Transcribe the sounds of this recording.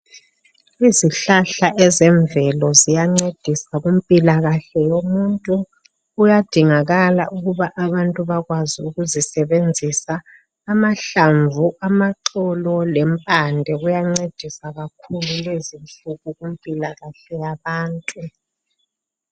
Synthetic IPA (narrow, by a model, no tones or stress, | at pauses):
iziɬaɬaʔɛzɛɱvɛlɔzijaŋ͡ǀed̥ʱisaɣumpʼilaɣaɬɛjomuntʼuː | jad̥ʱiŋaɣalaʔuɣuβaʔaβantʼuβaɣwaziuɣuzisɛβend͡zʱisaː | maɬaɱvuʔamaǁɔlɔlɛmpʼandʱɛɣujaŋ͡ǀed̥ʱisaɣakʰululezinɬuɣuɣumpʼilaɣaɬɛjaβaːntʼu